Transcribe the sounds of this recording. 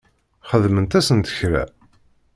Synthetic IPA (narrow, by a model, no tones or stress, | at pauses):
χəðmənt̪æsənt̪ə̥çɾæ̰